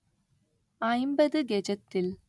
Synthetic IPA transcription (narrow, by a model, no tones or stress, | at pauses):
ɐjmbɐðɨɡed͡ʑɐt̪ːil